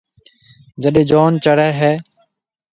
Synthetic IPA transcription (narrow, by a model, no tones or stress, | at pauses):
d͡ʒəɗeːd͡ʒoːnt͡ʃəɽɛːɦɛː